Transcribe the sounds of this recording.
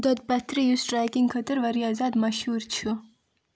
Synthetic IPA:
d̪ɔt̪̚pɐt̪ɾijusʈɾajkiŋɡkʰɐt̪əɾʋɐɾiaːzaːd̪mɐʃhuɾt͡ʃʰu

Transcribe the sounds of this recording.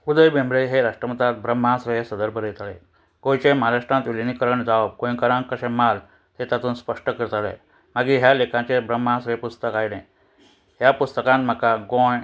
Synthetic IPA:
ud̪əjbembɾeɦeɾaʂʈɾəmət̪at̪̚bɾəm̤ːãsɾəɦesəd̪əɾbʱəɾjet̪ale | ɡõjt͡ɕemɦaɾaʂʈɾãnt̪ʋilinikəɾəɳd͡zaʋab̚kõĩkəɾãŋkəɕemal | t̪et̪at̪uːnspəʂʈəkəɾt̪alḛ | maɡiɦjalekãt͡ɕebɾəm̤ːãsɾəjepust̪əkajne | ɦjapust̪əkãnt̪m̤əkaɡõj

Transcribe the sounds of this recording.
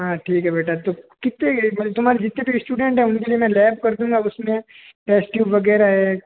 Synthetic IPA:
ɦãːʈʰiːkɦɛbeːʈʰat̪okɪt̪ːemɐəb̚t̪ʊmaːɾid͡ʒɪt̪nẽbʱisʈuːɖɛ̃ɳʈɦɛʊnkeliemɛ̃lɛːbkɐɾd̪ũːŋɡaʊsmẽ | ʈɛːsʈjuːbʋɐɡɛːɾaɦɛː

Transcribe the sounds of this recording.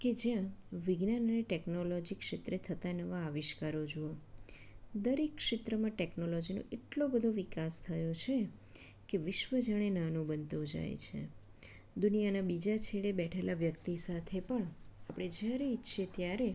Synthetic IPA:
ked͡ʒjãʋɪɡnanəneʈɛknolɔd͡ʒikʃet̪ɾet̪ʰət̪anəʋaːʋɪʃkaɾod͡ʒoo | d̪əɾekːʃɪt̪ɾəmãʈɛknolɔd͡ʒinõ̰ʔeʈlobəd̪ʱoʋikast̪ʰəjõt͡ʃʰe | keʋɪʃʋəd͡ʒaɽ̃enanubənt̪od͡ʒa̰j̰t͡ʃʰḛ | d̪unijanabid͡ʒat͡ʃʰeɭebɛʈʰelaʋjəkt̪isat̪ʰepəɳapɽ̃ed͡ʒjaɾeitːʃʰet̪jaɾe

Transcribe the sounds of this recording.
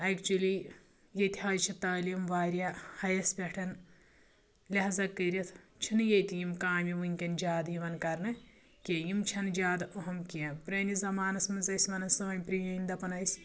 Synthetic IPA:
ɐjkt͡ʃuli | jɐt̪ʲiɦaːd͡ʒt͡ʃʰit̪ɐːlijimʋaːɾʲjɐhɐjɐspʲeʈʰɐn | lʲɐɦɐzɐkɐɾʲɐt̪ʰt͡ʃʰinjɐjt̪ijimkaːmʲiʋunʲkʲɐnd͡ʒaːd̪jiʋɐnkɐɾnɨ | kʲejimt͡ʃʰɐnd͡ʒaːd̪oɦɐmkiɐpɾɐːnizɐmaːnɐsmɐnzɐjsʲmɐnɐsɐʋɐnʲpɾijɐjind̪ɐpɐnɐjsʲ

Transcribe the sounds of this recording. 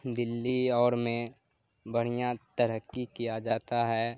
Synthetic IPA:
d̪ɪlːiɔːɾmẽ | bəɽ̤ijat̪əɾəkːikijad͡ʒaːt̪aɦɛː

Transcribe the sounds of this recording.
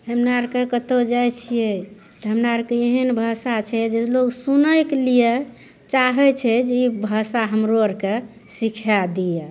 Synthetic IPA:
ɦəmnaɾkekət̪od͡ʒajt͡ʃʰijɛ | t̪ɔɦəmnaɾkeeɦənbʱasat͡ʃʰɛd͡ʒeloɡsunəklije | t͡ʃaɦɛt͡ʃʰɛd͡ʒeibʱasaɦəmɾoəɾke | sikʰjad̪ijɛ

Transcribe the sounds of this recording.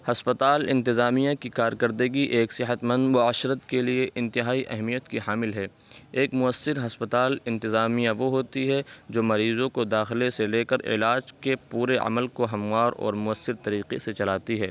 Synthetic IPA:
hɐspət̪aːlɪ̃nt̪ɪzaːmijãkikaːɾkəɾd̪əɡiʔeːksɪɦət̪mɐ̃nd̪mʊaːʃɾət̪kelieʔɪ̃nt̪ɪɦaːiʔɛɦmijət̪kiɦaːmɪlɦɛː | eːkmʊəsːɪɾɦɐspət̪aːlɪ̃nt̪ɪzaːmijãʋoɦoːt̪iɦɛd͡ʒoːmɐɾiːzõkod̪aːxɪleseleːkəɾɪ̰laːd͡ʒkepuːɾeɐ̰məlkoɦɐmwaːɾɔ̰ːɾmʊəsːɪɾt̪ɐɾiːqeset͡ʃɐlaːt̪iɦɛː

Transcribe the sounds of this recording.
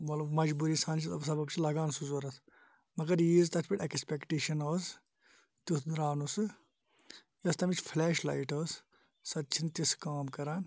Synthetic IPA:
mɐlɐbmɐd͡ʒbuːɾiːsaːnt͡ʃʰit̪ɐbsɐbɐbt͡ʃʰilɐɡaːnsuzoɾɐs | mɐɡɐɾjiːzt̪ɐt̪ʰpiʈʲekspekʈeːʃɐnoːz | t̪usd̪ɾaːnusɨ | jɐst̪ɐmit͡ʃʰfʰlɛːʃla̰jʈoːs | sɐt̪ːt͡ʃʰint̪iskaːmkɐɾaːn

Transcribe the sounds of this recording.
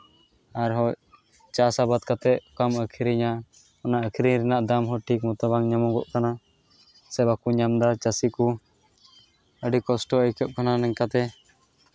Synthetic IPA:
aɾɦɔʔ | t͡ʃasabat̪kat̪ɛʔkaməkʰiɾiɲa | ɔnaʔəkʰiɾiɾɛnaʔd̪amɦɔʈʰik̚mɔt̪aβaŋɲamɔɡɔʔkana | sɛbakuɲamd̪at͡ʃasiku | əɖikɔsʈɔəjkəp̚kananɛɲkat̪ɛ

